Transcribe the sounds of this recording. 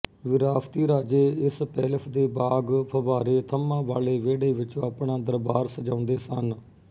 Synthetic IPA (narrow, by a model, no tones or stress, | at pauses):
ʋɪɾaːpʰt̪iːɾaːd͡ʒeːɪspɛːləpʰd̪eːbaːɡpʰəbaːɾeːt̪ʰəmãːʋaːleːʋeːɽeːʋɪt͡ʃõːaːpɳãːd̪əɾbaːɾsəd͡ʒãːʊnd̪eːsən